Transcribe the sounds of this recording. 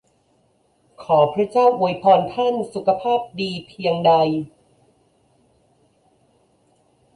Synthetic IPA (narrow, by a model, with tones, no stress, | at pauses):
kʰɔː˩˦pʰɾa˥t͡ɕaː˥˩wʔu˧˩əjpʰɔː˧nt̪ʰa˥˩nsu˨˩kʰa˧pʰaː˥˩p̚diː˧pʰi˧əŋda˧j